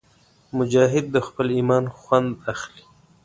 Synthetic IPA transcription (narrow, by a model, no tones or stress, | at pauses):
mʊd͡ʒɑːɦɪd̪̚ːəxpəliːmɑːnxwand̪axli̥